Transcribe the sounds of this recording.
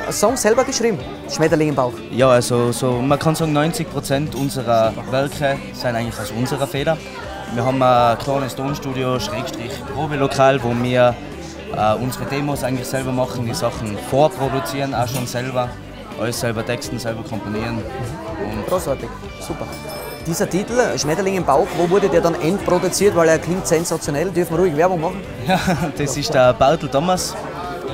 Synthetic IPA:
sɔŋsɛlbɐɡ̥əʃʁiːbm̩ | ʃmɛtɐlɪŋɪmbaʊxjɑːalsosomɐkʰɑnsɑːɡŋ̩nɔʏnt͡sɪk̚pʁ̥ot͡sɛntʊnzəʁɐvɛlkə | saɪnaɪŋtlɪxaʊsʊnzəʁɐfeːdɐ | miːɐɦɑːbm̩akʰlɑːnəstoːnʃtuːdioʃʁeːkʃtʁ̥ɪχpʁoːbelokʰaːlvoːmiːɐ | ʔaːʊnzəʁəteːmosaɪŋ̩tlɪxsɛlbɐmɑχn̩d̥iːsɑχn̩foːɐpʁodut͡siːʁnaːʃoːnsɛlbɐ | ʔɔ̰ɪssɛlbɐtʰɛkstn̩sɛlbɐkʰɔmponiːənʊnɡ̥ʁoːsaɐtɪk | suːpɐ | d̥iːzɐtʰitl̩ʃmɛtɐlɪŋɪmbaʊkvoːvʊɐdədeːɐdɑnɛntpʁodut͡siːɐtvaɪleːɐkʰlɪŋtsɛnzat͡sjonɛldʏɐfn̩məʁuːɪɡvɛɐbʊŋmɑχn̩ | jad̥ɛsɪʃtdəb̥aʊt̪l̩tɔməs

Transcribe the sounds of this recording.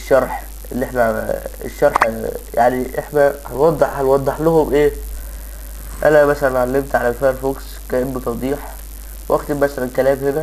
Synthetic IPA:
ʃːɑɾˤħ | ʔelːiʔeħnæḛʃːɑɾˤħja̰ʕniʔeħnæhænwɑd̪ˤːeħhænwɑd̪ˤːɨħlʊhʊmʔeː | ʔænæmæsælænʕalːemt̪ʕalælfæɾˤfoːks | kæʔenːut̪ˤɑd̪ˤiːħ | wʔæxt̪emmæsælænkælæːmhenæ

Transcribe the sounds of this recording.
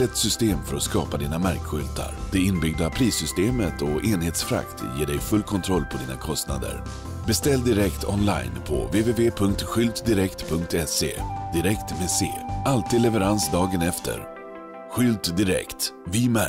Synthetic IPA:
ɛt̪sʏst̪eːmfœɾɔskɑ̰ːpad̪iːnamæɾkɧʏlt̪ʰa̰ɾd̪̥ɛɪnbʏɡd̪apʰɾiːsʏst̪eːmət̪ɔʔeːnheːt̪sfɾa̰kt̪jeːɖɛjfɵlːkʰɔnt̪ʰɾɔlːpʰɔd̪iːna̰kʰɔst̪na̰d̪ə̰ɾ | bɛst̪ɛlːd̪ɪɾɛkt̪ʰɔ̰nla̰jnpʰɔ̰veːveːveːpʰɵŋk̚t̪ɧʏlt̪d̪ɪɾɛkt̪pʰɵŋkt̪ɛsḛːd̪ɪɾɛkt̪meːsḛːʔalt̪iːd̪lɛvɛɾansd̪ɑːɡənɛft̪ʰə̰ɾ | ɧʏlt̪d̪ɪɾɛ̰kt̪vɪmæ

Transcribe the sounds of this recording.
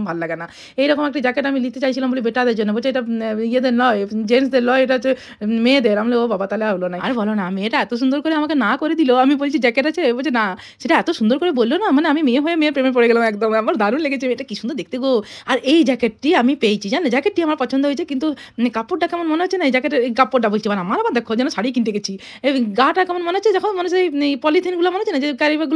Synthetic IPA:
bʱallaɡana | ejɾɔkomɛk̚ʈad͡ʑɛkeʈamilit̪et͡ɕajt͡ɕʰilambolibeʈːad̪eɾd͡ʑonːebolt͡ɕʰeʈaijed̪eɾnɔjd͡ʑens̬d̪eɾlɔeeʈae | med̪eɾamleobabat̪aleaɦolonaa̰ɾbɔlonaamieʈaɛt̪oʃ̬und̪oɾkoɾeamakenakoɾed̪iloamibolt͡ɕʰid͡ʑɛkeʈat͡ɕʰebolt͡ɕʰena | ʃeʈaɛt̪oʃund̪ɔɾkoɾebolːonamaneamimieɦoemeepɾemepɔɽeɡɛlamɛkd̪ɔmamaɾd̪ʱaɾunleɡet͡ɕʰiamieʈakiʃund̪ɔɾd̪ek̚ʰt̪eɡoaɾejd͡ʒɛkeʈ̚ʈiamipejt͡ɕʰid͡ʑaneed͡ʒɛkeʈ̚ʈːiamaɾpɔt͡ʃʰɔnd̪ɔɦojt͡ʃʰekint̪ukapoʈ̚ɖakamɔnmɔneɦot͡ʃʰenaid͡ʑɛkeʈeɾkapːoʈɖabolt͡ʃʰimaneamaɾabad̪ekʰod͡ʒɛnɔsaɽik̬inʈ̪eɡet͡ɕʰi | eɡaʈakɛmɔnmɔneɦɔt͡ʃʰed͡ʒɔkʰɔnmɔnespɔlit̪ʰinɡulamɔneɦot͡ʃʰenad͡ʑekaɾibaɡul

